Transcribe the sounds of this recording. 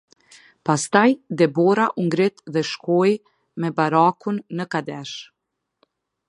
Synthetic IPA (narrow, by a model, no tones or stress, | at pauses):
past̪ajd̪ɛbɔɾaʔuŋɡɾit̪ðɛʃkɔj | mɛbaɾakunːəkad̪ɛʃ